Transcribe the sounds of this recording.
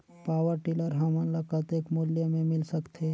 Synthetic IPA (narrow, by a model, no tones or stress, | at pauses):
paːwəɾʈɪləɾɦɐmə̃nləkət̪eːkmʊljəmẽmɪlsəkt̪ʰe